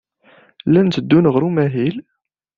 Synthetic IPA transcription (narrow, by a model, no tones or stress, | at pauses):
lænt̪əd̪ːunʁɾumæɦil